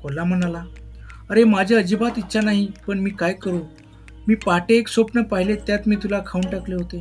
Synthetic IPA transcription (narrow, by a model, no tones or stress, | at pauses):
kolam̤ənalaəɾemad͡ʑʱeəd͡ʑibat̪itːɕanaɦipəɳmiːkajkəɾu | miːpaʈeːksopnəpaɦilet̪jat̪miːt̪ulakʰauɳʈakleɦot̪e